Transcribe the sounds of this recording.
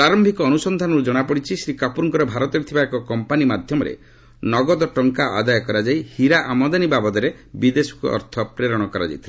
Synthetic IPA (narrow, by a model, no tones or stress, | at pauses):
aɾɔmbʱikɔːnusɔnd̪ʱanɔɾud͡ʒɔɽ̃apɔɽit͡ʃʰisɾikapuɾŋkɔɾɔbʱaɾɔt̪ɔɾit̪ʰibaekɔkɔmpanimad̪ʱjɔmɔɾḛ | nɔɡɔd̪ɔʈɔŋkaʔa̰d̪ajɔkɔɾad͡ʒaihiɾaʔamɔd̪anibabɔd̪ɔɾe | bid̪esɔ̥kuʔɔ̰ɾt̪ʰɔpɾeɾɔɽ̃ɔkɔɾa̰d͡ʒa̰jt̪ʰle